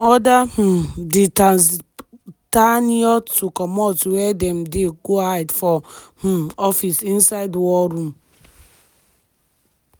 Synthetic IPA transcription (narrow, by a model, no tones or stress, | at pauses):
ɔdah̩dita | taniɔtukɔmɔtwɛdɛm̩deɡoaɪdfɔh̩ɔfisĩn̩saɪdwɔɾũm